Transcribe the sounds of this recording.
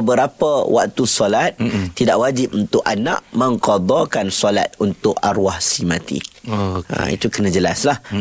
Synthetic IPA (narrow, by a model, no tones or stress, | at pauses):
bəɾapəwʔa̰k̚t̪usɔlat̪̚ːidaʔwad͡ʒip̚unt̪ʊʔanã̰ʔmə̃ŋkɔd̪ɔkansɔla̰t̪̚unt̪ʊʔa̰ɾwahsimat̪ḭ | a̰ḭt̪ukənãd͡ʒəlaslah